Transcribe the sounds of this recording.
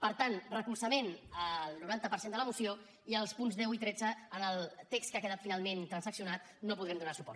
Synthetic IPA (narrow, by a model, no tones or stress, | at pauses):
pəɾt̪anrəkuɾsəmenəlˠnuɾant̪əpəɾsend̪ələmusio | iəlˠspunzðɛwit̪ɾɛd͡zəːnəlˠt̪ekskəakəðat̪finalˠment̪ɾənsəksiunat̪̚ | nopuðɾɛmd̪unasu̥pɔ̰ɾ